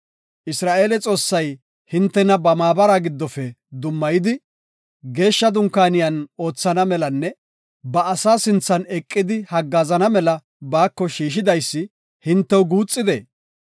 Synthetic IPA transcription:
ʔɪsɾaːʔe̞ːlɛt͡sʼo̞ːsːɐj | hɪnt̪ːɛnɐbɐmaːbɐɾaɡɪd̪ːɔfɛ | d̪ʊmːɐjɪd̪ɪ | ɡe̞ːʃːɐd̪ʊŋkːaːnɪjɐno̞ːt͡sːɐnɐmɛlɐnːɛ | bɐːsaːsɪnt͡sːɐnɛkʼːɪd̪ɪhɐɡːaːzɐnɐmɛlɐ | baːkːɔʃiːʃ̬ɪd̪ɐjsːɪ | hɪnt̪ːɛwɡuːt͡sʼːɪd̪ḛː

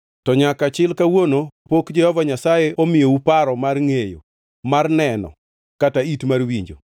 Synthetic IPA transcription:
tɔɲakat͡ʃɪlkawonopokd͡ʒɛhɔvaɲasajeʔomɪjoupaɾɔmarŋejo̰ | marnɛnɔ̰ | kataitmarwiɲd͡ʒo̰

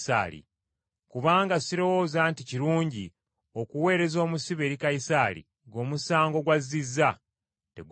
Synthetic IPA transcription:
sa̰ɾḭ | kuβaːŋɡasiɾo̞woːzaːnticiɾuːɲɟi | o̞kuwe̞ːɾe̞zo̞ːmusiβe̞ːɾikaisaɾḭ | ɡo̞ːmusaːŋɡo̞ɡwazːizːa | te̞̰ɡ

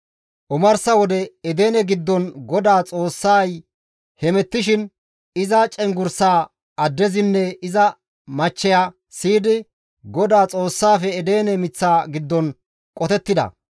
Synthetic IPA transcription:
ʔʊmɐɾsɐwɔd̪ɛɛd̪eːnɛɡɪd̪ːɔnɡɔd̪aːt͡sʼo̞ːsːaːj | hɛmɛt̪ːɪʃɪn | ɪzɐt͡ʃʼɛŋɡʊɾsaː | ɐd̪ːɛzɪnːɛɪzɐ | mɐt͡ʃːɛja | siːd̪ɪ | ɡɔd̪aːt͡sʼo̞ːsːaːfɛːd̪eːnɛmɪt͡sːaːɡɪd̪ːɔn | kʼɔt̪ɛt̪ːɪd̪ɐ̰

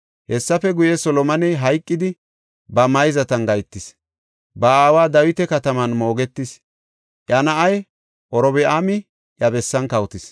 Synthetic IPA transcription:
hɛsːɐfɛɡʊjɛsɔlɔmɐnɛɦɐjkʼːɪd̪ɪ | bɐmɐjzɐt̪ɐnɡɐjt̪ːɪs | bɐaːwaːd̪ɐwɪt̪ɛkɐt̪ɐmɐnmo̞ːɡɛt̪ːɪs | ʔʼɐnɐʔɐj | ʔɔɾɔbɛʔamɪ | jɐbɛsːɐnkɐwt̪ɪs

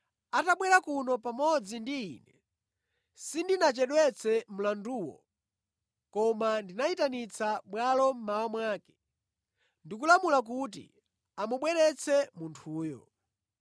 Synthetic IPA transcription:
ataɓwɛɾakunɔpamɔd͡zindiːnɛ | sindinat͡ʃɛɗwɛt͡sʰɛm̩landuwɔ̰ | kɔmandinaitanit͡sʰaɓwalɔm̩mawamwaːkɛ̥ | ndik̬ulamulak̬ut̬ḭ | amuɓwɛɾɛt͡sʰɛmuntʰuːjɔ̰

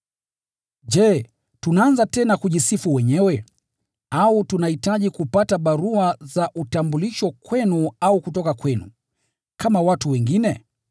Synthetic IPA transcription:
ʄɛː | tunaanzatɛnakuʄisifuwɛɲɛwɛ | autunahitaʄikupataɓaɾuazaʔutambuliʃɔkwɛnuaukutɔkakwɛnṵ | kʰamawatuwɛŋɡinɛ

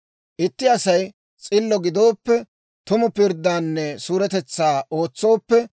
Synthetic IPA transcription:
ʔɪt̪ːɪɐsɐj | t͡sʼɪlːɔɡɪd̪oːpːɛ | t̪ʊmʊpɪɾd̪ːaːnːɛsuːɾɛt̪ɛt͡sːaːʔo̞ːt͡sːo̞ːpːɛ

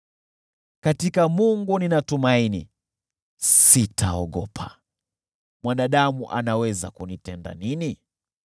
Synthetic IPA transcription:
katikamuŋɡuninatumainḭ | sitʰaɔɠɔpʰa̰ | mwanaɗamuʔa̰nawɛza̰kunitɛnda̰nini

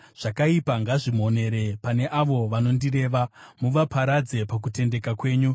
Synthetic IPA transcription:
ʐ̥akaipaŋɡaʐimo̞ne̞ɾepane̞ʔaʋo̞ʋano̞ndire̞ːʋamuʋapʰaɾad͡ze̞pak̬ute̞nde̞kakwe̞ːɲu

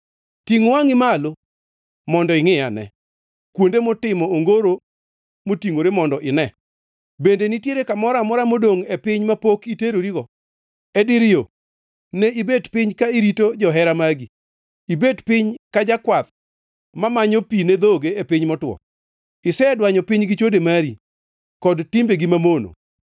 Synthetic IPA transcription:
tiŋwaŋɪmalo | mɔndɔɪŋɪanɛ̰ | kwondemotɪmɔoŋɡoɾo | motiŋoɾemɔndɔʔɪnɛ | bendenitjeɾekamɔɾamɔɾamodoŋɛpɪɲmapokiteɾoɾiɡɔ | ɛdɪɾɪjo | nɛibedpɪɲkaiɾitod͡ʒɔɦɛɾamaɡi | ibedpɪɲkad͡ʒakwat̪̚ | mamaɲopined̪oɡeepɪɲmɔtwɔ̰ | ɪsɛdwaɲɔpɪɲɡɪt͡ʃodemaɾi | kɔdtɪmbeɡɪmamono̰

